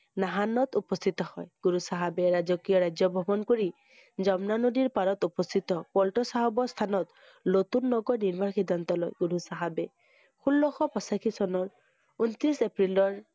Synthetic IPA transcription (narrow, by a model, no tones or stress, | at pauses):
naɦanɔt̪upɔst̪ʰit̪ɔhɔ̰jɡ̥uɹusaɦabɛɹazɔkijɔɹajzɔbʱɔbɔnkoɹi | zɔmnanodiɹpaɹɔt̪upɔst̪ʰit̪ɔpɔltɔsaɦabɔst̪ʰanɔt̪ | not̪unːɔɡɔɹniɹbʱanxidʱːant̪ɔloɔ̰jɡuɾusaɦabɛ | xulːɔxɔpɔsakʰisɔnɔɹ | unt̪ɹisepɹilɔɹ